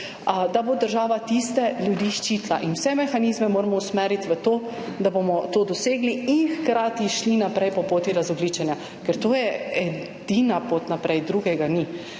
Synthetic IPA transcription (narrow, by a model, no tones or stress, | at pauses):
d̪abod̪əɾʒaːʋat̪ist̪ɛljud̪iːʃt͡ʃit̪la̰ʔinwsɛmɛxaniːzmɛmoːɾamɔusmɛːɾit̪ʋət̪oː | d̪abomɔt̪oːd̪ɔseːɡliinxkɾaːt̪iʃlinapɾɛjpɔpoːt̪iɾazɔɡliːt͡ʃɛnja | kɛɾt̪oːjɛɛ | d̪̥inapot̪napɾɛjd̪ɾuːɡɛɡani